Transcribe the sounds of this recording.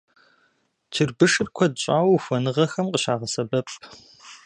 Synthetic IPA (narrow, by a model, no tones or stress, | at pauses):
tʰɨrbɨʂɨr̚kʷʰɔd̚ɕʼaːwxʷɔnɨʁɐxɐmqəɕaːʁɐsɐbɐpʰʼ